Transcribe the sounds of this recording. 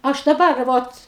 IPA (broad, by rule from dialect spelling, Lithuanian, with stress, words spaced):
ˈɐʃ dɐˈbɐr ˈʋoːt